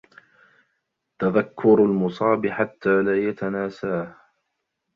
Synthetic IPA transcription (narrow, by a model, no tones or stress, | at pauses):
t̪aðakʰːʊɾalmʊsˤɑːbɪħat̪ʰːaːlaːjat̪anaːsaːh